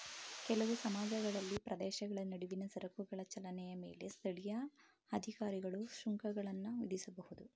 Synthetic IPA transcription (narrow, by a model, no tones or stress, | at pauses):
kɛlɐʋusɐmaːd͡ʒɐɡɐɭɐlːipɾɐd̪ɛːʃɐɡɐɭɐnɐɽuʋinɐsɐɾɐkuɡɐɭɐt͡ʃɐlɐnɛjɐme̞ːlest̪ʰɐɭijɐ | ɐd̪ʱikaːɾiɡɐɭuʃuŋkɐɡɐɭɐnːuʋid̪isɐbɐhud̪u